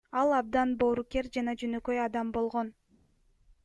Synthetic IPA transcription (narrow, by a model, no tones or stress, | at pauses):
ɑlˠɑb̚d̪ɑnbo̞ːɾuke̞ɾd͡ʒɑnɑd͡ʒønøkø̞jɑd̪ɑmbo̞lˠʁo̞n